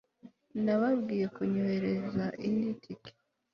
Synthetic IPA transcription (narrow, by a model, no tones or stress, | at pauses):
naβaβɡiːje̞kuɲohe̞ɾe̞zaʔinditʰike̥